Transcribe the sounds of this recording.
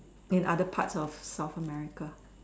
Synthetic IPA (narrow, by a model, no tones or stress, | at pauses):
ɪ̃nʔadəpʰa̰tsɔfsaʊθəmɛɹɪka